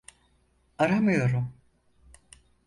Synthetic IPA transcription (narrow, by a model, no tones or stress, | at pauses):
aɾamɯjo̞ɾum